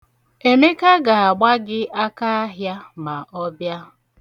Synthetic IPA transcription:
e˨ne˦ka˦ɡa˨a˨ɡ͡ba˦ɡɪ˦ʔa˦ka˦a˦ɦja˦ma˨ʔɔ˦bja˦

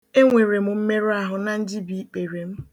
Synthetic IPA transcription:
e˦ŋʷe˨ɾe˨mʊ˨m̩˦me˦ɾa˦ɦʊ˨na˨n̩˦d͡ʒi˦bi˨˦k͡pe˨ɾe˨m̩˦

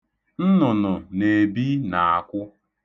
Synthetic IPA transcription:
n̩˦nʊ˨nʊ˨ne˨bi˦na˨a˨kʷʊ˦

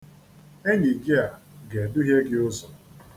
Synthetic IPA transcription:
e˦ɲi˨ɡɪ˦a˨ɡe˨dʊ˦ɦje˦ɡɪ˦ʊ˦zɔ˨

